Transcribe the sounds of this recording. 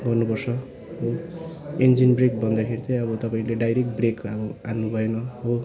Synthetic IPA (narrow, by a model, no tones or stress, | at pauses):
bʱʌnːupʌrsʰʌ | ɦo | end͡zinbrek̚bʌnd̪ʌkʰeɾit̪ʌ̃ʌβʌt̪ʌpaĩleɖajɾek̚ʈ̚brekʌbʌanːubʱʌenʌɦo